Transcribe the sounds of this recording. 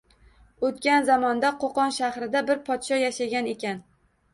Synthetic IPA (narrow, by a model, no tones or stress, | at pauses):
ot̪kʲanzamɒnd̪aqʰoqɒnʃahɾɪd̪abɪɾpʰɒt̪ʃɒjaʃaɡʲane̞kʲan